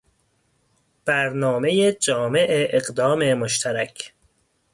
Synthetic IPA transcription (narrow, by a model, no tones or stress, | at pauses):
b̥æɾnɒːme̞jed͡ʒɒːme̞ʔeʔeɢd̪ɒːmemoʃt̪ʰæɾæcʰ